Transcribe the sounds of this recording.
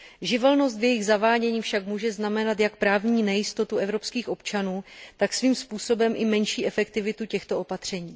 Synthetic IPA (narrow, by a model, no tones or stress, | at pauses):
ʒɪvɛlno̞st̪vjɛjɪɣzavaːɟɛɲiːfʃakmuːʒɛznamɛnat̪jak̚pɾaːvɲiːnɛjɪst̪o̞t̪uʔɛvɾo̞pskiːxʔo̞pt͡ʃanuːt̪aksviːmspuːso̞bɛmʔɪmɛnʃiːʔɛfɛkt̪ɪvɪt̪ucɛxt̪o̞ʔopat̪r̝̥ɛɲiː